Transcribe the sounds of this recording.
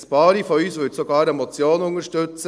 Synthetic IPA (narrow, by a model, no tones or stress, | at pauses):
spɑːɾifɔyːsʋʏtsoɡɑːɾɛmɔt͡sjoːnʊŋəɾʃtʏt͡sə